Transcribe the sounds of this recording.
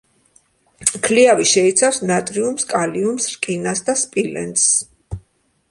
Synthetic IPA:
kʰliaviʃɛit̪sʰafsnat̪ʼɾiumskʼaliumsɾkʼinasd̪aspʼilɛ̰nt̪s

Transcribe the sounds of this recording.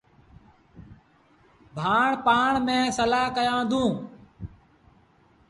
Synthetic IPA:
bʱaːɳpaːɳmẽːsəlaːɦkəjãːd̪ʱũː

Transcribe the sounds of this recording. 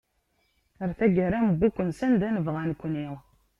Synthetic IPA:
əɾθæɡəɾæməbːukʷːənsænd̪ænəvʁænkʷːniʁ

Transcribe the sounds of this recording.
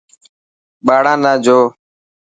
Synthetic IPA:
ɓaːɽãːnãːd͡ʒʱoː

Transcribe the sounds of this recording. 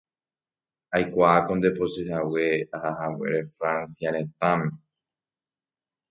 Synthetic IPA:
ajkʷaako̞nd̪epo̞sɨhawe̞ahahawe̞̰ɾe̞fɾãnsjaɾẽ̞t̪ãma

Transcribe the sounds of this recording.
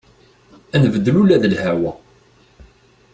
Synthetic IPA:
ænəvəd̪ːəlulæðəlhæwæ

